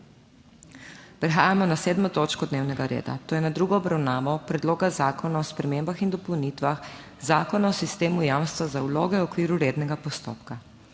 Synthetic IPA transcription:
pɾɛxaːjamɔnaseːd̪mɔt̪oːt͡ʃkɔd̪neːwnɛɡaɾḛːd̪a̰t̪oːjɛnad̪ɾuɡɔɔbɾawnaːʋɔpɾɛd̪loːɡazaːkɔnaɔspɾɛmeːmbaxind̪ɔpɔwnit̪ʋax | zaːkɔnaɔsist̪eːmujaːmst̪ʋazaulo̰ːɡɛwɔkʋiːɾuɾeːd̪nɛɡapɔst̪o̰ːpka

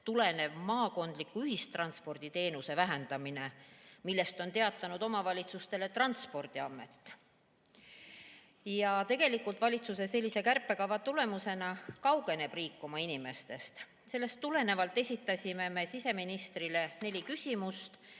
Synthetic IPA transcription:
t̪ule̞ne̞vmɑːko̞nd̪̥likːuyɦist̪rɑnspo̞rd̪̥it̪e̞ːnuse̞væɦe̞nd̪̥ɑmine̞milːe̞st̪o̞nt̪e̞ɑt̪ːˑɑnud̪o̞mɑvɑlʲit̪sust̪e̞le̞t̪rɑnt̪spo̞rd̪̥iɑmːe̞t̪ːˑ | jɑt̪e̞ɡ̥e̞likːˑult̪vɑlʲit̪suse̞se̞lʲːise̞kærpˑːe̞kɑvɑt̪ule̞muse̞nɑkɑwɡe̞ne̞b̥riːkːˑumɑinime̞st̪e̞st̪ | se̞lːe̞st̪ːule̞ne̞vɑlt̪ːˑe̞sʲit̪ːˑɑsʲime̞me̞sise̞minist̪rile̞ne̞lʲikysʲimust̪

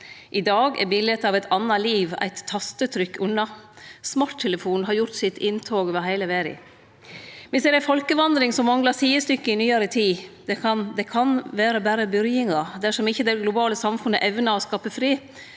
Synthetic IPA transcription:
ʔɪd̪ɑːɡɛ̰ɾbɪlət̪ɑʋɛɪt̪ʰɑnːɑliːʋæ̰ɪt̪ʰːɑst̪ət̪ʰɾʏkːʉnːɑsmɑːʈ̪ʰːɛləfuːnnɦɑɾjʊɾt̪sɪt̪ɪnt̪ʰɑːɡoːʋəɾɦæɪləʋeːɾɪ̰ | mɛnsɛɾæɪfɔlkəʋɑnd̪ɾɪŋsɔmːɑŋlɑɾt̪ʰiːəst̪ʏkːəɪnyːɑɾət̪ʰiːd̪ɑnd̪ɛkʰɑnʋæːɾəbæːɾəbʏɾjɪŋɑd̪æʂɔmɪçːəd̪ɛɡlʊbɑːləsɑmfʉnːəʔɛʋnɑɔskɑːpəfɾiː

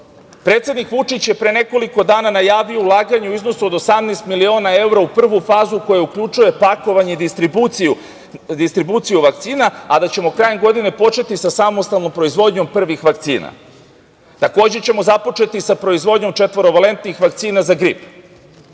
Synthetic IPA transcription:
pɾe̞ːt̪sed̪nikʋut͡ʃit͡ɕje̞pɾene̞ko̞liko̞d̪aːnanajaːʋio̞ulˠaːɡaɲeuizno̞suod̪osamnest̪milio̞ːnae̞wɾaupr̩ʋufaːzuko̞jaukʎut͡ʃuje̞pako̞ʋaɲeid̪t̪iu | d̪ist̪ɾibuːt̪sijuʋak̚t̪siːnaad̪at͡ɕe̞mo̞kɾaːjemɡo̞d̪ine̞po̞t͡ʃe̞t̪isasamo̞st̪alˠno̞mpɾo̞izʋo̞d̪ɲo̞mpr̩ʋixʋakt̪sḭːna̰ | t̪ako̞ːd͡ʑet͡ɕe̞mo̞zapo̞t͡ʃe̞t̪isapɾo̞izʋo̞d̪ɲo̞mt͡ʃe̞t̪ʋo̞ɾo̞ʋale̞nt̪nixʋak̚t̪siːnazaɡɾip

